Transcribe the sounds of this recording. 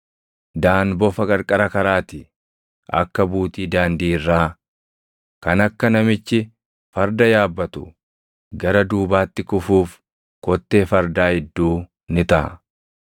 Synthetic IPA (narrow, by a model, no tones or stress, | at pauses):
d̪aːnbɔfɐkʼɐɾkʼɐɾɐkɐɾaːt̪ɪ | ʔɐ̰kːɐbuːt̪iːd̪aːnd̪iːɪrːaː | kɐnɐkːɐnɐmɪt͡ʃːɪ | fɐɾd̪ɐjaːbːɐt̪ʊ | ɡɐɾɐd̪uːbaːt̪ːɪkʊfuːf | kɔt̪ːe̞ːfɐɾd̪aːhɛd̪ːuː | nɪt̪ɐʔ